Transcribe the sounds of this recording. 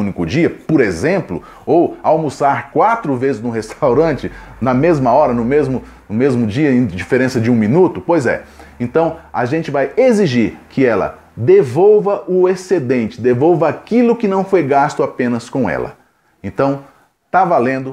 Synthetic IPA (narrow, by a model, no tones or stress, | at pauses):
ũnikʊd͡ʒiɐpoɾezẽmplʊ̰ | owawmusaɾkwat̪ɾʊvezɪznʊ̃ɦest̪awɾɐ̃t͡ʃɪnɐmezmɐɔɾɐnʊmezmʊ | nʊmezmʊd͡ʒiɐẽj̃d͡ʒifeɾẽsɐd͡ʒɪũmĩnut̪ʊpojzɛ̰ẽnt̪ɐ̃w̃a̰ʒẽnt͡ʃɪvajeziʒiɾkɪɛlɐ̰ | d̪evowvɐʔʊesed̪ẽnt͡ʃɪ̥d̪evowvɐakilʊkɪnɐ̃w̃fojɡast̪ʊapẽnɐskõɛ̰lɐ̰ | ẽt̪ɐ̃w̃ | t̪avalẽnd̪ʊ